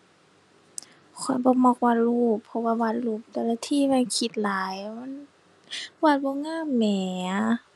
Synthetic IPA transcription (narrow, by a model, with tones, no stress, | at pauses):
kʰɔ˨˦jbɔː˧˦mɔː˧˨k̚wa˧t̪̚luː˧˩pʰːɔ˧waː˧˨wa˧˩t̪̚luː˧˩p̚t̪ɛ˧˨laː˧t̪ʰiː˧˥˨ma˧˥˨nkʰi˧˩t̪̚laː˨˦jma˧˥˨n | waː˧˩t̪̚bɔː˧˦ŋaː˧˥˨mːɛː˨˩